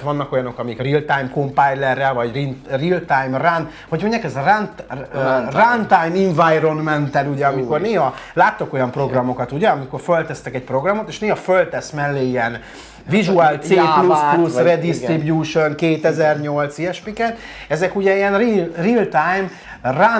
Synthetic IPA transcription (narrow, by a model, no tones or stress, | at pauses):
ʋɒnːɒko̞jɒno̞kɒmikrilt̪ajmko̞mpajlːɛrːɛlvɒɟrinrilt̪ajmran | ho̞ɟmo̞ɲɟaːkɛzran | rant̪ajmiɱvajronmɛnt̪ɛluɟɛɒmiko̞rneːɦɒlaːt̪ːoko̞jɒmpro̞ɡrɒmo̞kɒt̪uɟɛɒmiko̞rfølt̪ɛst̪ɛkɛcpro̞ɡrɒmot̪eːʃneːɦɒfølt̪ɛsmɛlːeːijɛn | viʒuaːlt̪seːplusplusrɛd̪istribjuːʃo̞ŋkeːt̪ɛzɛrɲo̞lt̪siɛʃpikɛnɛzɛkuɟɛiɛnririlt̪ajm | ra